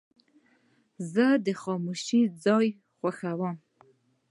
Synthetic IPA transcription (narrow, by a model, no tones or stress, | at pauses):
zəd̪əxɑmuʃid͡zɑj | χwaxawəm